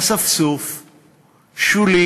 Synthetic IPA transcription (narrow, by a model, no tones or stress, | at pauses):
sɐfsoːf | ʃuli